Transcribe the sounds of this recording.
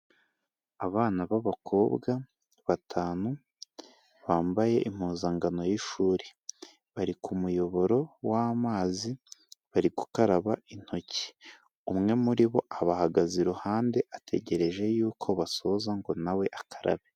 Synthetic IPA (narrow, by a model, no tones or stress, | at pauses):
aβaːnaβaβakʰo̞ːbɡa | βatʰaːnu | βaːmbaje̞ʔim̥huːzaŋɡano̞jiʃuːɾe | βaɾikumujo̞βo̞ɾo̞waːmaːziβaɾiɡu̥kaɾaβain̥ho̞cʰi̥ | umŋe̞muɾiβo̞ʔaβahaɡaziɾuhaːnde̞ʔatʰe̞̰ɟe̞ɾe̞ʒe̞juːkʰo̞βaso̞zaŋɡo̞nawe̞ʔakḁɾa̰βe